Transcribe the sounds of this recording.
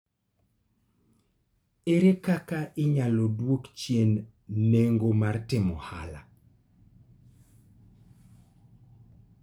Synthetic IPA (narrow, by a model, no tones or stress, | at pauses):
eɾekakaʔɪɲalodwokt͡ʃjenː | eŋɡomartɪmɔ̰ha̰la̰